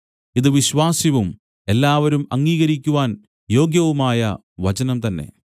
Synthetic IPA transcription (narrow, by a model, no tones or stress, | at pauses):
iðɨʋiɕʋaːsiʋum | e̞lːaːʋɐɾumɐŋːiːɣɐɾikʲːuʋaːn | jo̞ːɡjɐʋumaːjɐ | ʋɐt͡ɕɐnɐmt̪ɐnːe̞̰